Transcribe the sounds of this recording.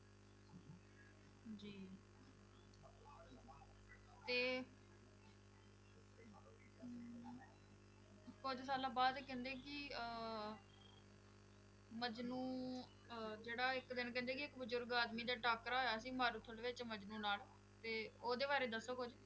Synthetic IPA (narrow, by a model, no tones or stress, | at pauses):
d͡ʒiː | t̪eː | kʊd͡ʒsaːlaːbaːd̪ekɛ̃ːnd̪eːkɪ | məd͡ʒnũː | d͡ʒeːɽaːɪkd̪ɪnkɛ̃ːnd̪eːk̬ɪɪkbəzʊɾɡaːd̪miːd̪aːʈaːkɾaːɦoːjaːsiːmaːɾuːt̪ʰəlːʋɪt͡ʃməd͡ʒnũːnaːl | t̪eːoːd̪eːbaːɾeːd̪əsːoːkʊd͡ʒ